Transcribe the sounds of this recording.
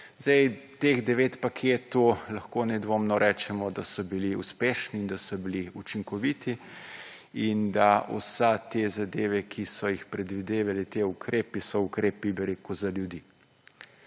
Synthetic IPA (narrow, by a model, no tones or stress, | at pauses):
zɛjt̪eːɣd̪ɛʋeːt̪pakʰeːt̪ulɐxkoːnɛd̪ʋoːmnɔɾʔɛːt͡ʃɛmɔd̪asɔbiliṵspeːʃniːnd̪asɔbiliut͡ʃiŋkɔʋit̪i | ind̪aṵsɛt̪eːzad̪eːʋɛkʰisɔjixpɾɛd̪ʋid̪eːʋalit̪eukɾeːpisɔukɾeːpibɛɾeːkuzaljud̪iː